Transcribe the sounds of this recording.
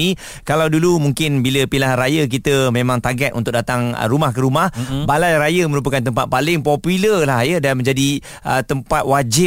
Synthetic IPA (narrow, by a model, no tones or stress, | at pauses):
i | kalawdulumuŋkɪnbiləpilahɾajək̬it̪əmẽmãŋt̪aɡɛt̪ʔunt̪ʊk̚dat̪aŋə̰ɾumahkəɾumahbalajɾajəməɾup̬əkant̪əmpat̪̚palɪŋpɔpuləlahjədanmə̃ɲd͡ʒadi | ʔət̪əmpat̪̚wad͡ʒɪ